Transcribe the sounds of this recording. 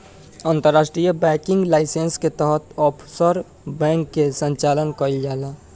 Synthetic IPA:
aːnt̪əɾːaːsʈɾijəbɛ̃kɪ̃ŋɡlaːɪsensket̪əɦət̪ɔpʰsəɾ | bɛ̃ŋkːesə̃ɲt͡ʃaːlənkəɾild͡ʒaːla

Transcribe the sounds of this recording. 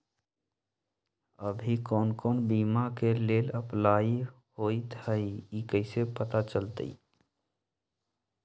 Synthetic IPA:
əbʱikɔːnkɔːnbiːmakeleːləplai | hoit̪həiikəɪsepət̪at͡ʃəlt̪ə̰i

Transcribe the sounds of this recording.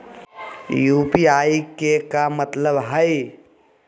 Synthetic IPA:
juːpiaːikekamət̪ləbɦəi

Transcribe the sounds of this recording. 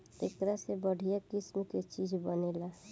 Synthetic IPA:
ekɾasebəɽʱijakismket͡ʃid͡ʒʱbənela

